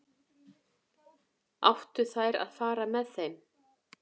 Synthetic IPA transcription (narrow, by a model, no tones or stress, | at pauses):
a̰wht̪ʏ̥θajɾa̰ðfaːɾamɛðθejm